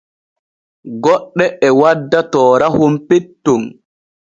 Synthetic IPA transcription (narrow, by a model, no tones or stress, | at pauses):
ɡɔɗːɛɛwadːatɔːɾahumpetːun